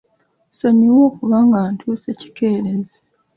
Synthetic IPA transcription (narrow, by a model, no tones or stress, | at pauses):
soɲiwoːkuβaːŋɡaːntʰuːseci̥keːɾezi